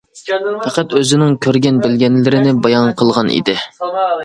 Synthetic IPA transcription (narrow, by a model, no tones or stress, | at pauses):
pʰæqæt̪øzɪnɪŋkʲʰøɾɡʲɛnbɪlɡʲɛnlɪɾɪnɪbɑjɑnqʰəlˠʁɑnḭd̪ɪ